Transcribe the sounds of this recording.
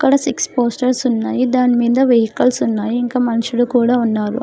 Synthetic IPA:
ɐkːɐɽɐsikspoːsʈɐɾsunːaːjid̪aːnimiːd̪ɐʋeɦikɐlsunːaːjiːŋkaːmɐnɐʃulukuːɽaːunːaːɾṵ

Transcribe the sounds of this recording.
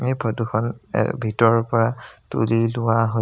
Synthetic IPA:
ejbʰʱɔduxʰɔn̰bʱitɔɹɔpɔɹatṵlilʊwaɦo

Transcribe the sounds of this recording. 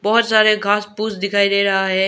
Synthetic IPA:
bɔɦʊt̪saːɾeɡʱaːspuːsd̪ɪkʰaːiɾeːɾɐɦaɦeː

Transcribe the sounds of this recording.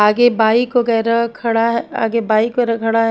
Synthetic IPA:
aːɡebaːikʋɐɡɛːɾakʰɐɽaɦɛa̰ːɡebaːikːɾakʰɐɽaɦ

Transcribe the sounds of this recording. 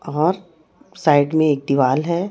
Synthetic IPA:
ɔːɾ | saːɪɖmẽeːk̚d̪iʋaːlɦɛ

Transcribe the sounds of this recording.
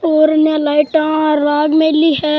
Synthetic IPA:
oːɾnelaːɪʈãɾaːɡmẽliɦɛː

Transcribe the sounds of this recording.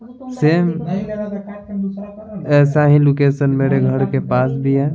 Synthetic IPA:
seːm | ɛːsaɦĩlokeːsənmeːɾeɡʱəɾkepaːsbʱiɦɛː

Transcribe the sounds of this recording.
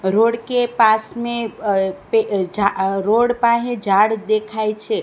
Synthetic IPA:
ɾoɽkepasmẽped͡ʒaɾoɽpaɦẽd͡ʒʱaɽd̪ekʰajt͡ʃʰe

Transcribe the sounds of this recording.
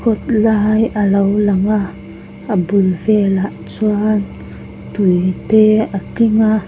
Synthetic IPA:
kot̪laɦajalawlaŋaː | bulvelaʔt͡ʃuan | tuiteakiŋa

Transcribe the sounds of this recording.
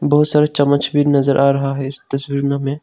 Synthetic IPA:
bɐɦʊt̪saːɾəɦt͡ʃɐmət͡ʃʰbʱiːɾnɐzəɾʔaːɾɐɦaɦɛɪst̪ɐswiːɾnãmẽː

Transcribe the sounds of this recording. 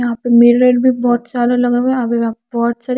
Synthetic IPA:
ɐɦãːpemeːɾɾeːɖbʱibɔːt̪saːd̪alɐɡaɛɐbʱiabɔːt̪saːɾ

